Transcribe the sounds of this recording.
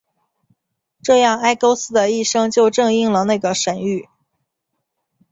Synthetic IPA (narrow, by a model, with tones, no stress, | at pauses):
ʈ͡ʂɤ˥˧jɑ˥˩ŋa˥ɪko˥ʊsɹ̩˥d̪ə˨i˥˩ʂɤ˥ŋt͡ɕjo˥˧ʊʈ͡ʂɤ˥˧ŋi˥˩ŋlə˩na˥˩ɪɡə˩ʂə˨˩ny˥˩